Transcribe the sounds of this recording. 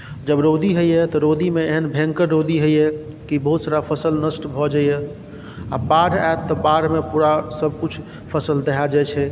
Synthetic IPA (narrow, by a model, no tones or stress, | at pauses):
d͡ʒəbɾod̪iɦojɛt̪ɔɾod̪imeeɦənbʱẽŋkəɾːod̪iɦojɛ | kibɔɦut̪saɾapʰəsəlnəsʈbʱɔd͡ʒaje | apaɽatt̪ːɔbaɾmepuɾasəb̚ʱkut͡ʃʰ | pʰəsəld̪ɛɦad͡ʒat͡ʃʰɛ